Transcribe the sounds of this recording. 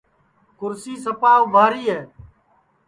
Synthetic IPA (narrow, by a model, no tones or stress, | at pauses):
kʊɾsiːsəpaːʋʱaːɾiːɦɛː